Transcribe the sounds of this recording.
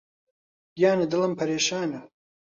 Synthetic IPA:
jaːnɐd̪ɨlɐmpʰɐɾeːʃaːnɐ

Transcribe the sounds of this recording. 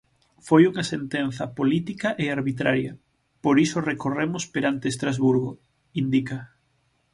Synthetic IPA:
fojuŋɐsent̪enθɐpolit̪ikɐʔeaɾβit̪ɾaɾjɐ | poɾisorekoremʊspeɾant̪eːst̪ɾazβuɾɣo | ind̪ikɐ

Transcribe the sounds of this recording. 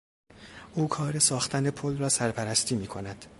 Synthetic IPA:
ʔuːkʰɒːɾesɒːxt̪ʰænepʰolrɒːsæɾpʰæɾæst̪ʰiːmiːkʰo̞næd̪̥

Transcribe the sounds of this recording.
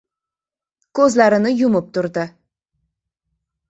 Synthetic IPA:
kʰɵzlaɾɪnɪjʊmɪp̚t̪ʰʊɾd̪ɪ

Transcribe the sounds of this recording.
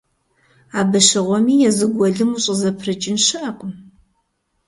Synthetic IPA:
aːbɨʃɨʁʷɔmiːjɛzɨɡʷɔɮɨmuɕʼəzɐpʰrɨt͡ʃʼɪnʃɐːqʷʼm

